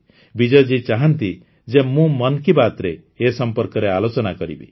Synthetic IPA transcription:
bid͡ʒɔjd͡ʒit͡ʃaɦant̪i | d͡ʒemũmɔnkibat̪ɾeː | sɔmpɔɾkɔɾealot͡ʃɔnakɔɾḭbḭ

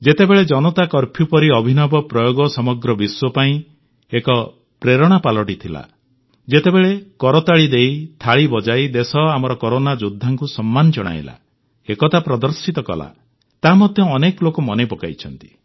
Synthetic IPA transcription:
d͡ʒet̪ebeɭed͡ʒɔnɔt̪akɔɾpʰjupɔɾiɔbʱinɔbɔpɾɔjoɡɔsɔmɔɡɾɔbiswɔpaĩ | ekɔ | pɾeɾɔɽ̃apalɔʈit̪ʰila̰ | d͡ʒet̪ebeɭekɔɾɔt̪aɭid̪ejt̪ʰaɭibɔd͡ʒajd̪esɔamɔɾɔkɔɾonad͡ʒud̪ʱːaŋkusɔmːanɔd͡ʒɔɽ̃a̰j̰la̰ | ekɔt̪apɾɔd̪ɔɾsit̪ɔkɔ̰la̰ | t̪amɔd̪ʱjɔːnekɔlokumɔnepɔka̰jt͡ʃʰɔnt̪i̥

